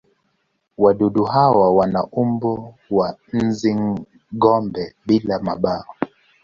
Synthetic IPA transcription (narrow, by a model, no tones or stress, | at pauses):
waɗuɗuɦawawanaʔumbɔwan̩ziŋ | ɡɔmbɛɓilamaɓaɔ